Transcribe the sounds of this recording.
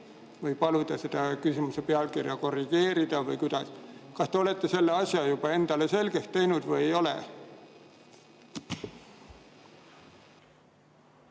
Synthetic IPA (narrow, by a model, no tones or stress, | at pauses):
vɯjpɑlud̪̥ɑsed̪̥ɑkysimusepeɑlkirjɑko̞rːiɡ̥e̞ːɾid̪̥ɑvɯjkud̪̥ɑskɑst̪e̞o̞le̞t̪ˑːe̞se̞lːeɑsjɑjub̥ɑe̞nd̪̥ɑle̞se̞lɡ̥est̪ːe̞jnud̪vɯjejo̞lḛ